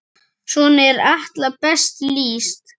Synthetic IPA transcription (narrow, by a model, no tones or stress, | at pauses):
ʂunɛɾaht̪lapɛst̪liːst̪